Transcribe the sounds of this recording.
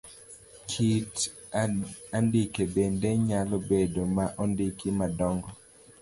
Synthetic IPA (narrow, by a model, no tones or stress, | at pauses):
kʰit | andikebendeɲalɔbedomaʔɔndikimadɔŋɡɔ